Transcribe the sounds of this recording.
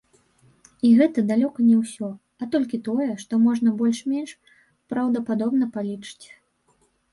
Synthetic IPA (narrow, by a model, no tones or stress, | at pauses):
iɣɛt̪ɐd̪alʲɔkɐnʲɛwsʲɔ | ɐt̪ɔlʲkʲit̪ɔjɛʂt̪ɔmɔʐnɐbɔlʲʂmʲenʂ | pɾɐwd̪ɐpad̪ɔbn̪ɐpalʲit͡ʂɨ̥t͡sʲ